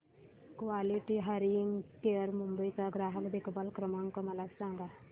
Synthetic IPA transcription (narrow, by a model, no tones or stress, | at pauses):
kʋaliʈiɦəɾiiŋɡkeəɾmumbəjt͡saɡɾaɦəkd̪ekbalkɾəmaŋkɔməlasãŋɡa